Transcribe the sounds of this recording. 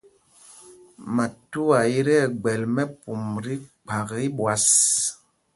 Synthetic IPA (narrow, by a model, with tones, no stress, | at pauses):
ma˨tu˦a˨i˦ɾɛ˦˨ɡ͡bɛ˨lmɛ˦pu˨mɾi˦k͡pa˨ki˦ɓwa˨s